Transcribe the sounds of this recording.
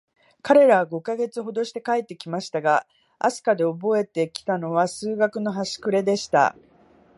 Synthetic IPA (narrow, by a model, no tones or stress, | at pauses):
kaɾe̞ɾaβaɡo̞kaɡe̞t͡sɨɦo̞d̪o̞ɕi̥t̪e̞kaet̪ːe̞kʲimaɕi̥t̪aɡa | ʔa̰sɨ̥kad̪e̞obo̞e̞t̪e̞kʲi̥t̪ano̞βasɨːɡakɯ̟no̞ɦaɕi̥kɯ̟ɾe̞d̪e̞ɕi̥t̪a̰